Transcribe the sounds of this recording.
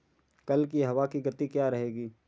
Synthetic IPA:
kɐlkiɦɐʋakiɡɐt̪ːikjaɾɐɦeːɡiː

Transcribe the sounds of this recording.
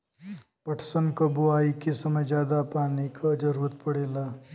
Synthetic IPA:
pəʈʰsənkɐbuaːikesɐməjd͡ʒjaːd̪apaːnikad͡ʒɐɾuɾət̪̚pɐɽeːlaː

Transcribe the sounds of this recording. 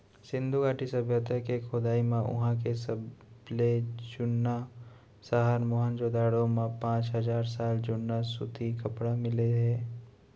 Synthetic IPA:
sɪ̃nd̪ʱuɡaːʈisəbʱjət̪əkekʰoːd̪aːimãʔʊ̰ɦãk̬esəbled͡ʒʊnːa | saɦaɾmoːɦənd͡ʒod̪aːɽõmãpãːt͡ʃɦɐzaːɾsaːld͡ʒʊnːasʊt̪ʰikɐpɽamɪleɦɛː

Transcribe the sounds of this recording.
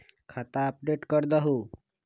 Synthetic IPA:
kʰat̪aəp̚ɖeʈkəɾd̪aɦu

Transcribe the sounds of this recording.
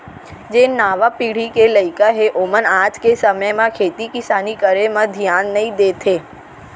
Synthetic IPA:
d͡ʒenaːʋapiːɽ̤ikeləɪkaɦeʔomənaːd͡ʒkesəməjmãkʰeːt̪ikɪsaːnikəɾemãd̪ʱijaːnːəĩd̪eːt̪ʰeː

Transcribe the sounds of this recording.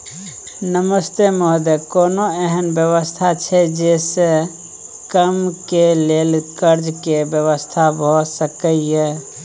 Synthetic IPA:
nəməst̪emoɦd̪ekonoɛɦənbjəwəst̪ʰat͡ʃʰɛd͡ʒese | kəmkelelkəɾd͡ʒkebjəβəst̪ʰabʱosəkəie

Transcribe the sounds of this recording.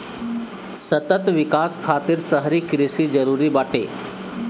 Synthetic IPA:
sət̪ət̪ʋikaskʰat̪iːɾsəɦɾiːkɾisiːd͡zəɾuɾiːbaʈḛ

